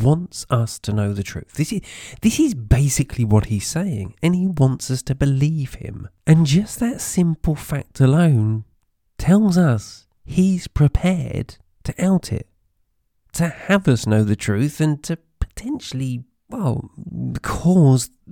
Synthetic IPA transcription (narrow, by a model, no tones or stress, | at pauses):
wɑ̃ntsʌstʰɨnoʊðɨtʰɹ̥ʉ̰θðɪsɨðɪsɨzbeɪsɨkʰliwʌt̚hiz̥seɪɪ̰̃ŋɨ̃niwɑ̃ntsʌstʰɨbɨliv̥ɪ̰̃mɨ̃nd͡ʒʌsðɨtsɪ̃mpl̩ˠfæk̚tʰəlõʊ̃n | tʰɛlˠzʌs | hiz̥pʰɹ̥ɨpʰɛɹd | tʰɨʔalˠtʰɪ̰tʰ | ɨɨvʌsnoʊðɨtʰɹ̥ʉθɨ̃ntʰɨ | pʰə̥tʰɛ̃nʃl̩ˠi | wɛlˠkʰɔz